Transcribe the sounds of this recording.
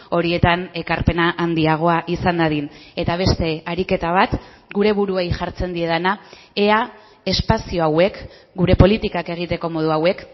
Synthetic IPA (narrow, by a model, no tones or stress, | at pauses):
o̞ɾie̞t̪ane̞kaɾpe̞naʔand̪iaɣ̞o̞aʔisand̪aðine̞t̪aβ̞e̞st̪e̞aɾike̞t̪aβ̞at̪ | ɡuɾe̞βuɾuejʝaɾt͡se̞nd̪ie̞ðana | ea | e̞spasio̞awe̞k | ɡuɾe̞po̞lit̪ikake̞ɣ̞it̪e̞ko̞mo̞ð̞uawe̞k